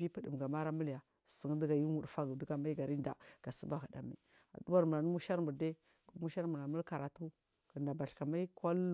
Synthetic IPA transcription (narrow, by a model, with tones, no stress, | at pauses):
i˦pə˨də˨m˨ɡa˨ma˦ɾa˦mə˦lja˨ | sə˨ŋ˦də˦ɡa˨ju˦mu˨dfa˦ɡdu˦ɡa˨ma˦i˦ɡa˨ɾi˦nda̰˨ɡ̥a˨sə̰˦ba˦˨ɣu˨da̰˨mḭ˨ | a̰˨du˦wa˦ɾmu˨la˨n˦mu˦ʃa˦ɾmu˨ɾde˦ | ku˦mu˦ʃa˦ɾmu˨la˨mu˦lka˨ɾa˨tu˦ | kə˨nda˨ba˨ɬka˨ma˦i˦kʷa˦l